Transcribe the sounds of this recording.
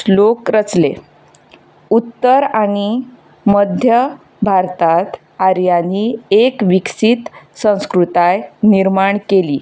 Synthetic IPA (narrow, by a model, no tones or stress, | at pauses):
lokɾət͡sle | ut̪ːəɾaɽ̃i | məd̪ʱjə | bʱaɾt̪at̪ | aɾjaniekʋiksit̪sə̃w̃skɾut̪ajniɾmaɳkeliː